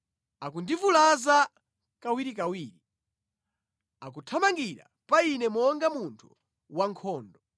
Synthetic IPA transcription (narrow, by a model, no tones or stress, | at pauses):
akundivulaza | kawiɾikawiːɾi | akutʰamaŋɡiɾa̰ | painɛmɔŋɡamuntʰu | waŋkʰɔːndɔ